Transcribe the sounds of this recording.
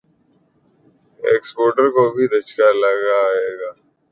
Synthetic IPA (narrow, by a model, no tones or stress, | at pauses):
ḛːkspoːɾʈəɾkobʱid̪ɐʃkaləɡaeːɡaː